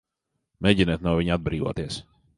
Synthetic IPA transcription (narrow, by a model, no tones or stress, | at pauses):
mɛɟinɛt̪nawviɲad̪̚bɾiːvoːt̪iɛs